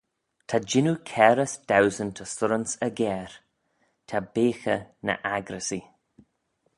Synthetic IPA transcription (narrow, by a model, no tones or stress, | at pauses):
tʰad͡ʒɪnukʰɛɾəsd̥awzəntʰəsʊɾənsəɡɛːɾ | tʰabeːxənə̰ʔaɡɾəsi